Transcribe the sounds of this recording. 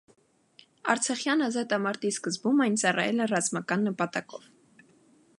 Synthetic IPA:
ɑ̰ɾt͡sʰɑχjɑnɑzɑt̪ɑmɑɾt̪iskəzbumɑjnt͡sɑrɑ̰jɛlɛrɑzmɑkɑnːəpɑt̪ɑkɔv

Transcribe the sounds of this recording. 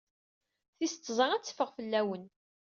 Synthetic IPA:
θist̪ːzˤəʁæt͡sːə̥fəʁfəlːæwən

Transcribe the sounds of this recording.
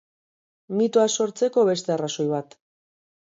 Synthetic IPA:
mit̪oaso̞ɾt͡se̞ko̞βe̞st̪e̞araso̞jβat̪

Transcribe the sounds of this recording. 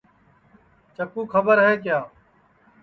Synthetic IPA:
t͡ʃəkuːkʰəbəɾɦeːk̬jaː

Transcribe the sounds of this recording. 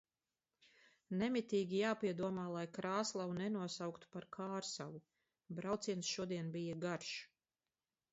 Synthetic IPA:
nɛmit̪iːɡʲijaːpiɛd̪uɔmaːlˠajkɾaːslˠawunɛnuɔsawkt̪u̥paɾkʰaːɾsawu | bɾawt̪siɛnsʃuɔd̪iɛnbijɐɡaɾʃ

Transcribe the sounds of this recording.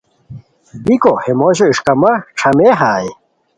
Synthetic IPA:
bikohemoːɕoiʂkɐmɐʈ͡ʂʰɐmeɦaːj

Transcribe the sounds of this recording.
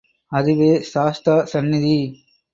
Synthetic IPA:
ɐðɯʋeːʃaːst̪ɾɐsɐnːid̪i

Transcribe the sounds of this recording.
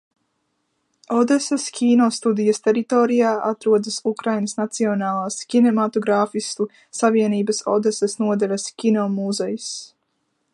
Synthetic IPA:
ɔd̪esɛskʲiːnɔst̪ud̪ijɐst̪ɛɾit̪oːɾijaːʔat̪ɾuɔd̪ɨsukɾajnəsnat̪siɔnaːlˠaːskʲinɛmat̪oɡɾaːfist̪u | saviɛniːbɐsɔ̰d̪esɛsnuɔd̪ɛlʲaskʲinɔmuzɛjus

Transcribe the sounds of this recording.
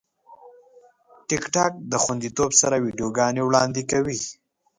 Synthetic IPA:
ʈɪkʈɑk̚d̪əxwand̪it̪obsaɾawiɖijoɡɑnewɽɑnd̪ikawi

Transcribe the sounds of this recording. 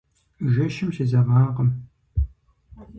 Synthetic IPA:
ʒɐʃɪmsezɐʁɑːqəm

